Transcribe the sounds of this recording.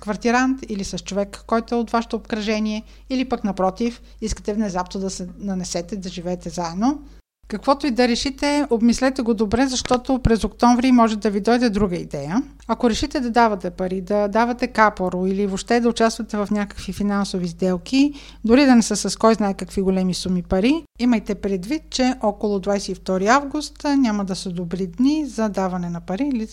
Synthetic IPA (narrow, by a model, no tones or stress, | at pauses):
kvɐɾt̪iɾant̪ilisɐst͡ʃovɛkːɔjt̪oɛot̪vaʃɛ̥t̪oːpkɾɐʒɛniɛ | ilipəknɐpɾɔt̪if | iskə̥t̪ɛvnɛzapnod̪ɐsɛnɐnɛsɛt̪ɛid̪ɐʒivɛːt̪ɛzaɛd̪no | kɐkvɔt̪oid̪ɐɾɛʃit̪ɛobmislɛt̪ɛɡod̪obɾɛzɐʃt̪ɔt̪opɾɛzokt̪ɔɱvɾimɔʒɛd̪ɐvid̪ɔjd̪ɛd̪ɾuɡəid̪ɛjə | ɐkoɾɛʃit̪ɛd̪ɐd̪avɐt̪ɛpɐɾid̪ɐd̪avɐt̪ɛkapoɾoilivoʃt̪ɛd̪ɐʊt͡ʃast̪vɐt̪ɛvɐfnʲakə̥kvifinansovizd̪ɛlˠki | d̪ʊɾid̪ɐnɛsəsɐskɔjznaɛkɐkviɡolɛmisumipɐɾi | iməjt̪ɛpɾɛd̪vit̪̚t͡ʃɛʔɔkolˠʊd̪vajsɛift̪ɔɾiavɡʊst̪nʲamɐd̪ɐsəd̪obɾid̪nizɐd̪avɐnɛnɐpɐɾiːli